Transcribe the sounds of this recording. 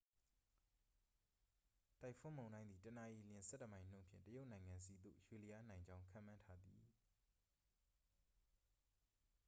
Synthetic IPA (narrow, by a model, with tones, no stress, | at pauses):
t̪a˦ɪʔpʰʊ̃˦˨mõ˨ʊ̃ndã˦ɪ̃nd̪i˨tə˨na˨ʔi˨ljɪ̃˨nsɛ̰˦˨tːə˨mã˨ɪ̃n̥õ̰˦˨mpʰjɪ̰̃˦˨tə˦jo˦ʊʔnã˨ɪ̃ŋã˨nsi˨d̪o̰˦˨ɕwe˨li˨ja˦nã˨ɪ̃ɲd͡ʑã˦ʊ̃ŋkʰã̰˦˨mã˦ntʰa˦d̪i˨